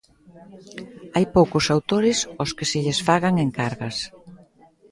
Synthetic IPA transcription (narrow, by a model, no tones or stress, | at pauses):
ajpowkʊsawt̪oɾɪsʊskɪsɪʎesfaɣaŋeŋkaɾɣɐs